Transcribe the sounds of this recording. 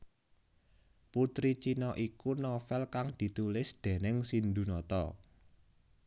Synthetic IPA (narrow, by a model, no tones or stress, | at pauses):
put̪ɾit͡ʃinɔʔikunɔfɛlkaŋd̪̥i̤t̪ulɪsd̪̥e̤nɪŋsind̪ṳnɔt̪ɔ̰